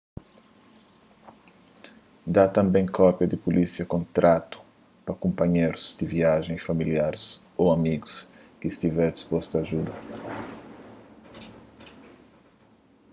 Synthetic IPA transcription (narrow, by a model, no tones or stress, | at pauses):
d̪at̪ɐ̃mbẽj̃kʰɔpjɐd̪ɪpulʔisiɐkõnt̪ɾʔat̪ʊ̥ | pɐkõmpɐɲejɾʊz̥d̪̥ɪviaʒẽj̃sfamiliaɾɪs | owamiɡʊskɪːst̪ivɛɾd̪ispɔst̪aːʒud̪ɐ